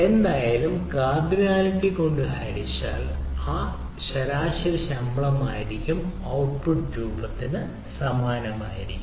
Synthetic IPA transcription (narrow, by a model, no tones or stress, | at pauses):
e̞nd̪aːjaːlumkaːd̪ɾunaːliɳɖiko̞ɳɖɨaːɾit͡ɕːa̰ːlaː | ɕɐɾaːɕɐɾɕɐmbɭɐma̰ːjiɾikʲːum | ɐwʈ̚puʈɾuːbɐt̪ːinɨ | sɐmaːnɐmaːjiɾikʲːu